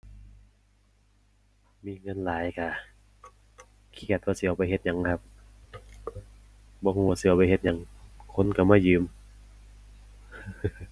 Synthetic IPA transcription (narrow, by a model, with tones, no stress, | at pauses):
miː˧˥˨ŋɤ˧˥˨nlaː˨˦jka˧˩ | kʰi˧˥˩ka˧˩t̪̚waː˧si˧ʔa˧˩wpa˧˦jhe˧t̪̚ɲa˨˧˦ŋ˧kʰa˧p̚ | bɔː˧˦huː˧˩waː˧si˧ʔwpa˧˨jɦe˧˦t̪̚ɲa˨˧˦ŋkʰo˧˥˨nka˧˩maː˧˨jɯː˨˦m